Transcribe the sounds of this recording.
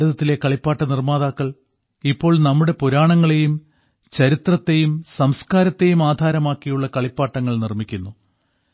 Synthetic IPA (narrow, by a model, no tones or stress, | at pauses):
uðɐt̪ːile̞kɐɭipːaːʈːɐnirmaːðaːkːɐɭ | ipːo̞ːɭnɐmːuɽe̞puɾaːɳɐŋːɐɭe̞jum | t͡ɕɐɾit̪rɐt̪ːe̞jumsɐmskaːɾɐt̪ːe̞jumaːd̪ʱaːɾɐmaːkːijuɭːɐkɐɭipːaːʈːɐŋːɐɭnirmikʲːunːu